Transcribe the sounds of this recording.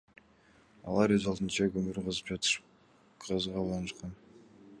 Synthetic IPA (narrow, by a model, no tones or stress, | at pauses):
ɑ̰lˠɑɾɵzɑlˠd̪ɨnt͡ʃɑkɵmyɾqɑzɯpd͡ʒɑt̪ | qʰɑzʁɑlˠɑnɯʃqɑn